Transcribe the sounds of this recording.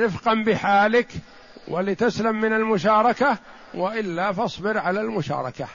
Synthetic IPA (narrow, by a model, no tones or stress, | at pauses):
ɾɪfqɑnbɪħaːlɪk | walɪt̪aslamːɪnalmʊʃɑːɾˤɑka | waʔɪlːaːfɑsˤbɪɾʕalaːlmʊʃɑ̰ːɾˤɑ̰ka